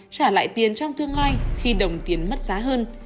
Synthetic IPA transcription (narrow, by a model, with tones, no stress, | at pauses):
t͡ɕaː˧˩la̰ː˧˨jt̪i˨˩ənt͡ɕɔ˧wŋ͡mt̪ɨ˧əŋlaː˧jxi˧ɗə˨˩wŋ͡mt̪i˨˩ənmə˦˥t̚z̥aː˨˦ɦəː˧n